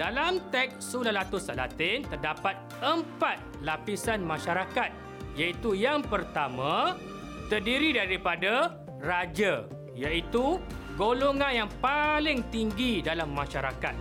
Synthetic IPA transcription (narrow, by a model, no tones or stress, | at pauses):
d̥alamt̪ɛk̚sulalat̪usala̰t̪ɪnt̪ərdapat̪̚ | əmpat̪̚lapisanmãʃaɾakat̪̚ | jait̪ujaŋpərt̪amã | t̪ərdiɾidaɾipada | rad͡ʒa | jait̪uɡoloŋãnjaŋpalɪŋt̪iŋɡidalamːãʃaɾaka̰t̪̚